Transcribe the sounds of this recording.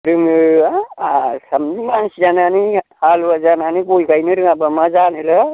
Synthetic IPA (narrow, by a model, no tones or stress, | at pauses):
ɾum | samnimansid͡ʒananihalwad͡ʒananibolkajniɾuŋabamad͡ʒanelʌ